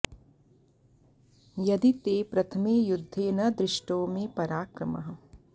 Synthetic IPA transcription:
jɐd̪it̪eːpɾɐt̪ʰɐmeːjʊd̪ʱːeːnɐd̪ɾɪʃʈoːmẽpɐɾaːkɾɐmɐ̰ɦɐ

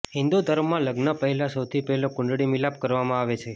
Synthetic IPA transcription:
ɦɪ̃nd̪ud̪ʱəɾʋmãləɡnəpəɦɛlãsəwt̪ʰipɛɦlõkʊ̃ɳɖɽimilap̚kəɾʋamãaʋet͡ʃʰe

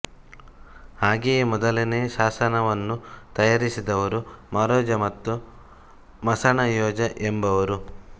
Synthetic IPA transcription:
haːɡejːmɔd̪ɐlineːʃaːsɐnɐʋɐnːut̪ɐjaɾisid̪ɐʋɐɾumɐɾɔːd͡ʒɐmɐt̪ːu | mɐsɐɳɐjɔːd͡ʒɐʔembɐʋɐɾu

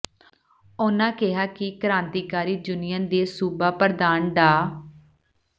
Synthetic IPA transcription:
ʊnãːkɪɦaːkɪkəɾãːnt̪iːkaːɾiːd͡ʒʊnɪjənd̪eːsuːbaːpəɾd̪aːnɖaː

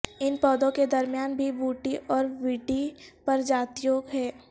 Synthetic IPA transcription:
ɪnpɔːd̪õked̪ɐɾmijaːnbʱibuːʈiʔɔːɾʋiːɖipɐɾd͡ʒaːt̪joːɡɦɛː

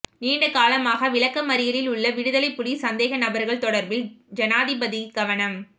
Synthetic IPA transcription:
niːɳɖɐkaːlɐmaːɣɐʋɪɭɐkːɐmɐɾɪjɐlɪlʊɭːɐʋɪɽɯðɐlɐɪpːʊɽisɐnd̪eːɣɐnɐbɐɾɣɐɭt̪ɔɽɐɾbɪld͡ʒɐnaːðɪbɐðiɡɐʋɐnɐm

